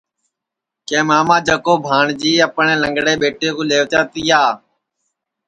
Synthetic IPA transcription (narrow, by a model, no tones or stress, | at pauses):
kẽːmaːmãːd͡ʒəkoːbʱaːɳd͡ʒiːəpɳeːləŋɡɽeːɓeːʈeːkoːleːʋt̪jaːt̪iːaː